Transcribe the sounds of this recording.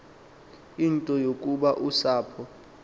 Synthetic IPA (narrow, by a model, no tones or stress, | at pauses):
intʼɔjokʼuɓaʔusaːpʰɔ